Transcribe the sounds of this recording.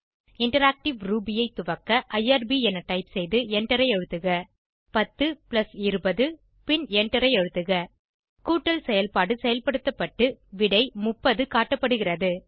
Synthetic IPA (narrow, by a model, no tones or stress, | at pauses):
ɪɳʈɐɾaːk̚ʈɪʋɾuːbɪjɐɪt̪ːʊʋɐkːɐʔɐɪaːɾbiɛnɐʈɐɪpsɛjðɯɛɳʈːɐɾɐɪɛɻɯt̪ːɯɣɐ | pɐt̪ːɯplɐsɪɾɯbɐðɯ | pɪnɛɳʈɐɾɐɪɛɻɯt̪ːɯɣɐ | kuːʈːɐlsɛjɐlpaːɽɯsɛjɐlpɐɽɯt̪ːɐpːɐʈːɯʋɪɽɐɪmʊpːɐðɯkaːʈːɐpːɐɽɯɣɪrɐðɯ